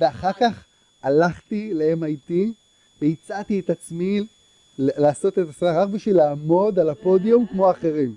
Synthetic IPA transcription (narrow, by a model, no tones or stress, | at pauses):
veaχaʁkaχ | alaχtilaemajt̪i | veit͡sat̪ietat͡smi | laːso̞t̪etasadaʁakbiʃvilaːmo̞d̪alapo̞d̪iumkmo̞aχe̞ʁim